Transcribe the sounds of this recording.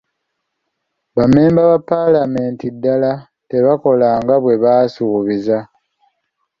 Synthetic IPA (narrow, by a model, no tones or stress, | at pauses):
βame̞ːmbaβapːalame̞ːntidːala | te̞βako̞laːŋɡaβwe̞βaːsuːβiza